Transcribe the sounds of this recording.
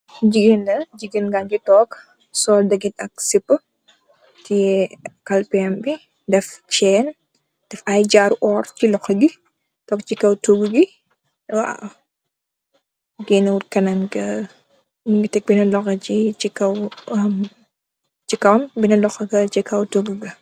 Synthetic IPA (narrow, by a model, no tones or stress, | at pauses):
d͡ʒiɡinlɐd͡ʒiɡinɡand͡ʒitɔːk | sɔːldɐɡitɐk̚sipːə | tijɛkɐlpɛmbi | dɛft͡ʃɛːn | d̥ɛfɐjɟaːɾuʔɔːɾt͡ʃilɔxɐɡi | tɔːkt͡ʃikːɐwtuɡuɡi | wa̰ | ɡiːnɐwuɾkɐnɐnɡɐ | niŋɡitɛk̚binɐlɔxɐt͡ʃit͡ʃikːɐwɐm | t͡ʃikɐwnbinɐlɔxɐɡɐt͡ʃikɐwtuɡuɡɐ